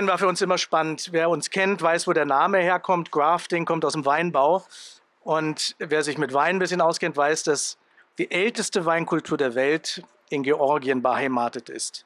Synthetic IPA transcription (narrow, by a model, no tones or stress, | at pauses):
ənvaːfyːɐʊnsʔɪmɐʃpanəntveːɐʊnskʰɛntv̥aɪsv̥oːdeːɐnaːməheːɐkʰɔmtɡ̥ʁaːftɪŋkʰɔmtaʊsd̥emvaɪnbaʊ | ʔʊntveːɐzɪçmɪtv̥aɪnənbɪsçənaʊskɛntv̥aɪsd̥as | d̥iːʔɛltəstəvaɪnkʰʊltʰuːɐdeːɐvɛlt | ɪnɡeʔɔɐɡiənbəhaɪmaːtətɪ̰st